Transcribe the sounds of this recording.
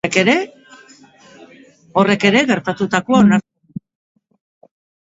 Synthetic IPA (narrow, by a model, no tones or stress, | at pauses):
eke̞ɾe̞ | o̞re̞ke̞ɾe̞ɣe̞ɾt̪at̪ut̪akoaona